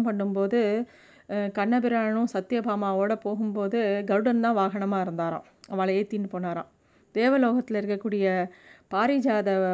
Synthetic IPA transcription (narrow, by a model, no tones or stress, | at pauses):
mpɐɳːɯmpoːðɯ | kɐɳːɐbɪɾaːɳɯ̃sɐt̪ːɪjɐbaːmaːoːɽɐpoːɣɯmpoːðɯɡɐɾɽɐnt̪ãːʋaːɣɐɳɐmaːɪɾɯnd̪aːɾã̰ː | ɐʋaːɭɐeːt̪iːnːɯpoːnaːɾã̰ː | d̪̥eːʋɐloːɣɐt̪ːɪlɪɾɯkːɐkːuːɽɪjɐpaːɾid͡ʒaːðɐ